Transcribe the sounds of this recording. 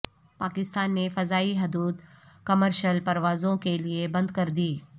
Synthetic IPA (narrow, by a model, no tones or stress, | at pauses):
paːkɪst̪aːnːefɐzaːiɦɐd̪uːd̪ | kɐməɾʃəlpɐɾʋaːzõkeliebɐ̃nd̪kɐɾd̪iː